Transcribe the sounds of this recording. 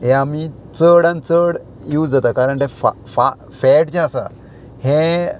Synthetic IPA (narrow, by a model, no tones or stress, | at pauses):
ɦẽami | t͡səɽãnt͡səɽ | juwd͡zat̪akaɾəɳʈ̪efa | fa | fɛʈt͡ɕẽasa̰ | hẽ